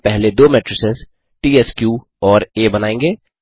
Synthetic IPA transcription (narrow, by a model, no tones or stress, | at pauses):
pɛɦled̪oːmɛːʈɾɪsɪz | ʈiːeskjuː | ɔːɾeːbɐnaːẽːŋɡeː